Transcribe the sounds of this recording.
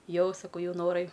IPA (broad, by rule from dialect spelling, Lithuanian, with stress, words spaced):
ˈjɛʊ sɐˈkɐʊ ˈjɛʊ noːˈrɐɪ